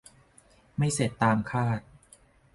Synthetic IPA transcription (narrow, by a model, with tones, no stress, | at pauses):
ma˥˩jse˨˩t̪ːaː˧mkʰaː˥˩t̪̚